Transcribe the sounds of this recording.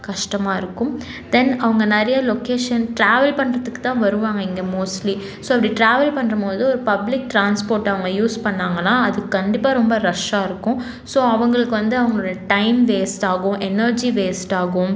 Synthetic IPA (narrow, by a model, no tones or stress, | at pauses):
kɐʂʈɐmaːɪɾɯkːʊm | d̪ɛnɐʋɐŋɡɐnɛɾɐjɐlokeːʂɐnʈɾaːʋɐlpɐɳːɾɐðɯkːɯt̪ːãːʋɐɾɯʋaːŋɡɐɪŋɡeːmoːsʈli | soːɐpːɐɽiʈɾaːʋɐlpɐɳːɾɐmoːðɯɔɾɯpɐblɪk̚ʈɾaːnspoːɾʈɐʋɐŋɡɐjuːspɐɳːaːŋɡɐlãːɐðɯkːɐɳɖɪpːaːɾɔmbɐɾɐʂaːɪɾɯkːʊ̃ | soːɐʋɐŋɡɐɭɯkːɯʋɐnd̪ɯɐʋɐŋɡɐɭoɽɐʈɐɪmʋeːsʈaːɣʊ̃ʔɛnɐɾd͡ʒiʋeːsʈaːɣʊ̃m